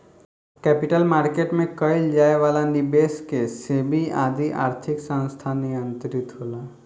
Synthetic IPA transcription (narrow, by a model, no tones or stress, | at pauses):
kɛpiʈəlmaɾkeʈmẽkəild͡ʒaeʋalanibeskesebʱia̰d̪ʱiʔa̰ːɾt̪ʰiksə̃nst̪ʰaniə̃nt̪əɾit̪ɦoːla